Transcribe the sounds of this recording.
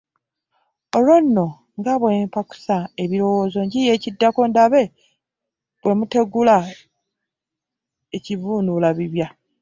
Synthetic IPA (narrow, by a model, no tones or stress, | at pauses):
o̞lonːo̞ | ŋɡaβweːmpaku̥sae̞βiɾo̞wo̞ːzo̞ɲɟije̞ːcidːako̞ndaβe̞ | bwe̞mute̞ɡula | ecivuːnulaβiβja